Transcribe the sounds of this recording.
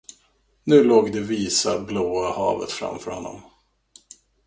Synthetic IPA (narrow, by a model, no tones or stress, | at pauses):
nʉ̟ːloːɡd̪ɛviːsabloːahɑːvə̰t̪fɾa̰mfœɾhɔnːɔ̰m